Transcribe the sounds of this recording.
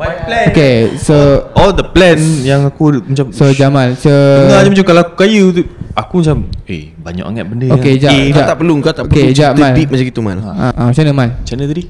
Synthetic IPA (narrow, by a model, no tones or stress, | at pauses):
blɛokesoɔld̪əplɛnjaŋakumat͡ʃamsod͡ʒamãnsoŋad͡ʒamat͡ʃamkalaakukajuuakumat͡ʃamḛ | baɲa̰ʔa̰ŋa̰t̪̚bəndəoked͡ʒad͡ʒat̪aʔpəluŋkat̪aʔopəked͡ʒamãnimad͡ʒaɡit̪umã̰naʔat͡ʃanəmãnt͡ʃanət̪adi